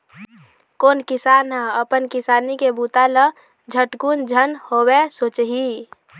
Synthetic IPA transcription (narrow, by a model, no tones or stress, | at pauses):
koːnkɪsaːnɦəəpənkɪsaːnikebuːt̪alə | d͡ʒʱəʈkund͡ʒʱənhowesoːt͡ʃɦi